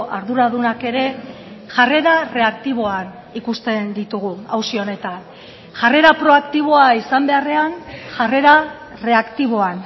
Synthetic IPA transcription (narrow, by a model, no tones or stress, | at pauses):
ʔaɾðuɾaðunake̞ɾe̞ | ʝare̞ɾare̞akt̪iβ̞o̞an | ikust̪e̞nd̪it̪uɣ̞uawsio̞ne̞t̪an | ʝare̞ɾapɾo̞akt̪iβ̞o̞aisambe̞are̞anʝare̞ɾa | re̞akt̪iβ̞o̞an